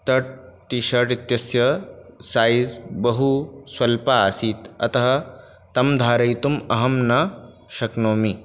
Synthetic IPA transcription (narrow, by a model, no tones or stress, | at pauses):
t̪ɐʈʈiʃɐʈit̪jɐsjɐsaːjzbɐɦuswɐlpasiːt̪ɐ̰t̪ɐɦɐ̆ | t̪ɐmd̪ʱaːɾɐjt̪umɐɦɐmnɐ | ʃɐknoːmi